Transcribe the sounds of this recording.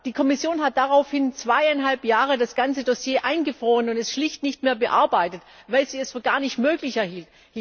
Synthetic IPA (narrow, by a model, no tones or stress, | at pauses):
d̥iːkʰɔmɪsjoːnɦat̚d̥aʁaʊfhɪnt͡sv̥aɪaɪnɦalpjaːʁ̞ədasɡ̥ant͡sədɔsjeːʔaɪnɡəfʁ̥oːʁənʊntɛstʃlɪçtnɪçtmeːɐbəʔa̰ɐbaɪtətvaɪlz̥iːɛsfyːɐɡaːɐnɪçtmøːklɪçɛɐhiːlt